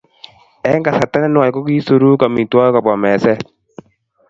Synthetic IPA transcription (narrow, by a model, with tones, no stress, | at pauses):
ɛ˦ŋɡa˨sa˨ta˦na˦n˦a˨kɔ˦ki˦so˨ɾu˦ka˨mi˨twa˦ka˨bɔ˨mɛ˨sɛ˦